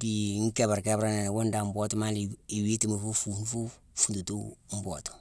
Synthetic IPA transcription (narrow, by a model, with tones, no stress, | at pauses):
di˨ŋ˦ke˨ba˨ɾke˦bɾa˦ne˨wo˦nda˨m˦bo˦tu˦ma˦lii˨wi˦ti˦mi˨fu˦fu˨n˦fu˦ | fu˨ntu˨tṵ˦m̩˦bo˨tu̥˨